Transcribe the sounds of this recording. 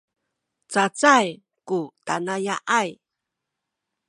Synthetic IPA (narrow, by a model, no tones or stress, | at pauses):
t͡sat͡saj | kutanajaʔaj